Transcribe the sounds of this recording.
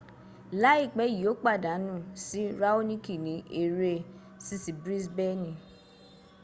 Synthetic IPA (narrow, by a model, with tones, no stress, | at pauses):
la˦i˦˨k͡pɛ˨˦i˨o˨˦k͡pa˦˨da˨˦nũ˦˨si˦ɾa˦o˦nĩ˦ki˦˨nĩ˨˦ʔe˧ɾe˧ | si˧si˨bɾi˦sbɛ˦nĩ˨